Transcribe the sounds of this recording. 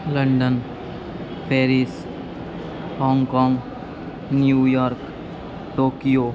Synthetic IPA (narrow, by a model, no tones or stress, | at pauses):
lə̃ɳɖən | pʰeːɾɪs | hɔːŋɡkɔ̃ːŋɡ | njuːjɔːɾk | ʈoːkijoː